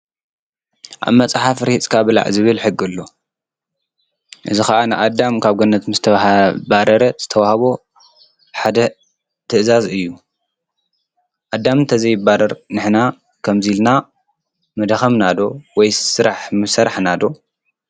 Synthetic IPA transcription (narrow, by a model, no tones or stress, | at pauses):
ʔa̰βmɐt͡sʼaħafɾihit͡sʼkʰaβɨla̰ʕzɨβɨlħɨɡːɨlːo̞ | ʔɨzixɐʔanɨʔad̪ːamkʰaβɡonːɐt̪mɨzt̪ʰɐbaɾɐɾɐz̥ɨt̪ʰɐwahɐβo | ħad̪ɐ | t̪ʰɨʔzazɨjːu | ʔad̪ːamnt̪ʰɐzɐjbaɾɐɾnɨħna | kʰɐmzilna | mɐd̪xɐmnad̪o̞wɔjsɨɾaħmɨsɐɾaħnad̪o̞